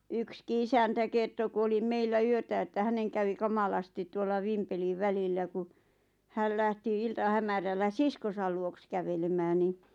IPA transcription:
ykski isæntæ kerto ku oli meilːæ yøtæ etːæ hæneŋ kæʋi kɑmɑlɑsti tuolːɑ ʋimpeliʋ̆ ʋælilːæ ku hæl læhti iltɑhæmærælːæ siskosɑl luoks kæʋelemæːn ni

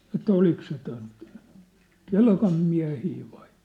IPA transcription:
ĕtˑæ olik se ton kelkɑm miæ̝hiː ʋɑi

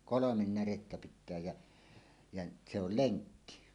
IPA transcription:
kolomen næretːæ pitˑæː jæ jæ se ol leŋkːi

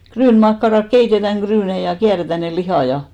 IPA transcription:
kryːnmɑkːɑrɑk keitetæŋ ɡ̊ryːnei jɑ kiæretæ ne lihɑˑ jɑ

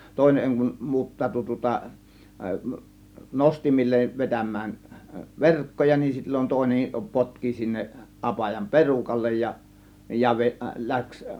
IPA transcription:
toˑe̝neŋ kum muːtːɑːtu tŭŏtɑ nostimilːeʋ ʋetæmˑæːn ʋerkːojɑ nin silʲːon toˑe̝nem potki sinːeʔ ʔɑpɑjɑm perukɑlːej jɑ jɑ ʋe læks

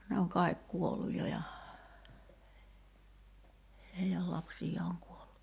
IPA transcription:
ne oŋ kɑˑi̞k kuolːuj jo jɑ heiæl lɑpsijˑɑː oŋ kuolːu

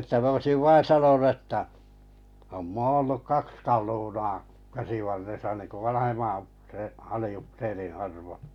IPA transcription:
etːæ m oisiʋ ʋɑin̞ sɑnonu ĕtːæ om moː olːuk kɑks kɑlunɑː kæsiʋɑrːesɑ niŋku ʋɑnɑhemːɑn upseː ɑliupserĩː ɑrʋo

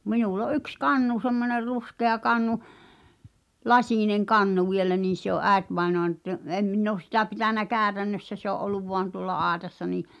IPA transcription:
minul o ʔyks kɑnːu semːoner ruskeɑ kɑnːu lɑsʲiˑneŋ kɑnːu ʋielæ niːn̞ se oʔ ʔæˑetʋɑenoɑn tə em minː oːs sitæ pitænæ kæːtænːøsːæ se oʔ ʔolːuʋ ʋoɑn tuŏlːɑ ɑːĕtɑsːɑ niː

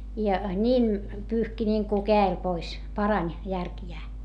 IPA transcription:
jɑ nʲiːn pyːhki nʲiːŋku kæːel pois pɑrɑnʲ jærkjæː

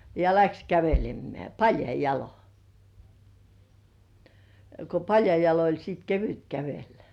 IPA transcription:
jɑ læks kæʋelemːeæˑ pɑljɑi jɑlo ko pɑljɑi jɑlo olʲ siːt keʋyt kæʋelːæ̥

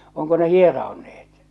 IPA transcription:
oŋko ne hierɑo̝neːt

